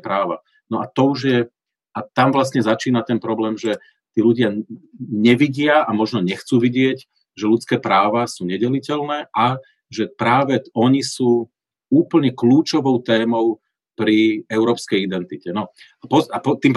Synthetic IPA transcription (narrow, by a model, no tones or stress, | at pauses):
pɾaːʋa | nɔʔat̪ɔuʒjɛ | at̪amʋlas̬ɲɛzat͡ʃiːnat̪ɛnpɾɔblɛːmʒɛ | t̪iːluɟɪaɲɛʋiɟɪaamɔʒnɔɲɛxt͡suːʋiɟɪɛɟ | ʒɛlut͡skɛːpɾaːʋasuːɲɛɟɛlicɛlnɛːʔa | ʒɛpɾaːʋɛɔɲisuː | uːpl̩ɲɛkluːt͡ʃɔʋɔʊt̪ɛːmɔʊ | pɾiɛʊɾɔːpskɛjid̪ɛnt̪icɛnɔapɔapɔt̪iːmp